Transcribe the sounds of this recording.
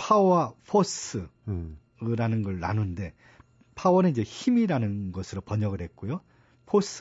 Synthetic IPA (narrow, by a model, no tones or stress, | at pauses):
pʰawapʰosɯ | ɾanɯnɡʌɭːa̰nunde̞ | pʰawʌnɯid͡ʑe̞çimiɾanɯnɡʌsʰɯɾopʌɲʌɡɯɭɦe̞t̚k͈ojo | pʰos͈ʰ